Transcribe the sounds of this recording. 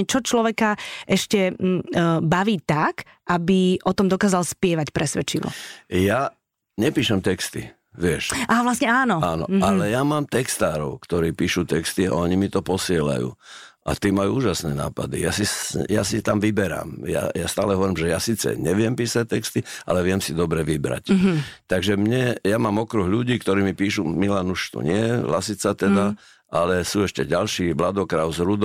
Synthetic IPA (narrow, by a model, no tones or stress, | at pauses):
ɛt͡ʃɔt͡ʃlɔʋɛkaʔɛʃcɛ | baʋiːt̪ak | ʔabiʔɔt̪ɔmd̪ɔkaːzalspɪɛʋacpɾɛsʋɛt͡ʃilɔ̰ja | ɲɛpiːʃɛmt̪ɛkst̪ḭ | ʋɪɛʃʔaːʋlasɲɛaːnɔanɔ̰alɛjamaːmt̪ɛkst̪aːɾɔʊkt̪ɔɾiːpiːʃuːt̪ɛkst̪ia̰ɔɲimit̪ɔpɔsɪɛla̰jṵː | ʔa̰t̪iːmajuuːʒasnɛna̰ːpad̪ijasijasit̪amʋibɛɾa̰ːmja̰jast̪a̰ːlɛɦɔʋɔɾimʒɛjasiːt͡sɛ̰ɲɛʋɪɛmpiːsac̚t̪ɛkst̪iʔa̰lɛʋɪɛmsid̪ɔbɾɛʋibɾa̰ct̪aɡʒɛmɲɛjamaːmɔkɾuɣʎuɟiːkt̪ɔɾiːmipiːʃumilanuʃt̪ṵɲɪɛlasit͡sat̪ɛd̪a | ʔalɛsuːɛʃcɛɟalʃiːblad̪ɔkɾaʊzɾud̪